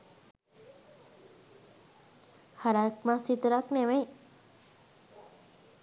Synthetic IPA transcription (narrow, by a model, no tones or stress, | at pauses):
haɾak̪mãsit̪ɾakneʋej